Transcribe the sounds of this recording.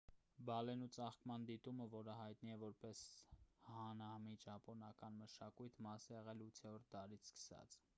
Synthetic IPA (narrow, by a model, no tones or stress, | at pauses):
bɑlɛnut͡sɑχkmɑnd̪it̪uməvɔɾəɦɑjt̪̚niɛvɔɾpɛshɑnɑhmid͡ʒɑpɔnɑkɑnməʃɑkujt̪ʰmɑsɛʁɛlut͡s̪ʰɛɔɾt̪̚ʰd̪ɑɾit͡sʰskə̥sɑ̰t͡s